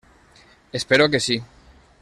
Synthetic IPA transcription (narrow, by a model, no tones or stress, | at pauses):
espeɾokesi